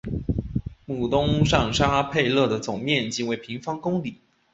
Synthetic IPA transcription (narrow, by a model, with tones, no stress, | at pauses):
mu˨˩t̪ʊ˥ŋʂɑ˥˩ŋʂa˥pʰe˥˧ɪlɤ˥˩d̪ə˩t͡sʊ˨˩ŋmjɛ˥˩nt͡ɕi˥˩ŋwe˧˥ɪpʰi˧˥ŋfɑ˥ŋkʊ˥ŋli˨˩˦